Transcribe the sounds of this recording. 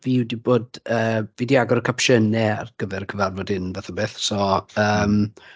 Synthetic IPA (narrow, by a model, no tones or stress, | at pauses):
viwdiboːdəːvidiaɡɔɾəkʰapʃənɛa̰rɡ̥əvɛɾəkʰəvarvɔdɪnvaθabeːθsɔəːm